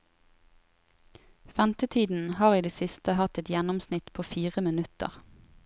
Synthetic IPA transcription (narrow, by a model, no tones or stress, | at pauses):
fɛmt̪ət̪ʰiːd̪n̩hɑːʁiːd̪eːsɪst̪əhɑt̪ɛt̪jɛnɔmsnɪt̪pʰoːfiːʁəmɪnʉt̪ə̰ʁ